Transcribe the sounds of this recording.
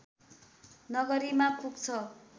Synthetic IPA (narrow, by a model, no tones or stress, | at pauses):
nʌɡʌɾimakuk̚t͡sʰʌ